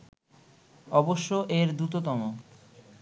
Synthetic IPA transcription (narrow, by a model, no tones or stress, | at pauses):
ɔboʃːoʔeɾd̪ɾut̪̬ot̪ɔmo